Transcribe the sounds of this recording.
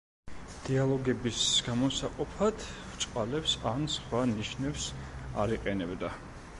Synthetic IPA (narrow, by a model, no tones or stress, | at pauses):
d̪̥ialˠɔɡɛbisɡ̥amɔsaqʼupʰad̪vt͡ʃʼqʼalɛpsansχwaniʃnɛpsaɾiqʼɛnɛbd̪a